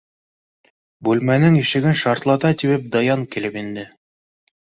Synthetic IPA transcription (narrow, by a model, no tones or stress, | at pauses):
bʉlmænɘŋiʃɘ̆ɡɘnʃɑɾt̪lˠɑt̪ɑt̪iβɘp̚d̪ɑjɑŋkilɘpind̪ɘ